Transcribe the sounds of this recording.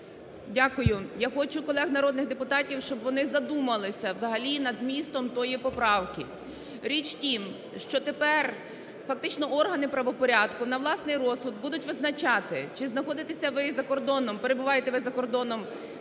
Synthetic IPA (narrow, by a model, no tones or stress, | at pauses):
dʲakʊjʊjaxɔt͡ʃʊkɔlˠɛɣnɐɾɔd̪̚nɪɣd̪epʊt̪ɑtʲiwʃt͡ʃɔbʋɔnɪzɐd̪umɐlˠɪsʲɐwzɐɦɐlʲinɐd̪zʲmʲist̪ɔmt̪ɔjipɔpɾɑwkʲɪ | ɾʲit͡ʃtʲim | ʃt͡ʃɔt̪epɛr | fɐk̚t̪ɪt͡ʃnɔʔɔrɦɐnɪpɾɐʋɔpɔɾʲad̪kʊnɐʋlˠɑsnɪjɾɔsʊd̪̚bud̪ʊtʲʋɪznɐt͡ʃɑt̪ɪt͡ʃɪznɐxɔd̪ɪt̪esʲɐʋɪzɐkɔrd̪ɔnɔmpeɾe̞bʊʋɑjet̪ɛʋɪzɐkɔrd̪ɔnɔm